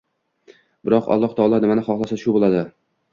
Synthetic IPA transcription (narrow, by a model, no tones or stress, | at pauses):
bɪɾɒqɒ̰lˠːɒht̪ʰɒɒlˠɑnɪmanɪχɒχlˠasaʃʊbolˠad̪ɪ